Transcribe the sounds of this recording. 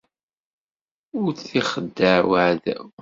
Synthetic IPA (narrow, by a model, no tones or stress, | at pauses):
ʊɾθiχəd̪ːəʕwəʕð